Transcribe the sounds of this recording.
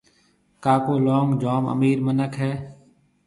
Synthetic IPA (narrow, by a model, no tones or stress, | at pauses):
kaːkoːloːŋɡd͡ʒoːmə̰miːɾmənəkɦɛː